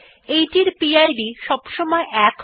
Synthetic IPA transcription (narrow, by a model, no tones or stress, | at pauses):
ejʈiɾpiajɖiʃɔbʃɔmɔeʔɛk